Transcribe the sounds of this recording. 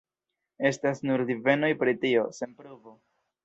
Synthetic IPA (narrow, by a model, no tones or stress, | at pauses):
e̞stasnuɾdive̞no̞jpɾitio̞se̞npɾovo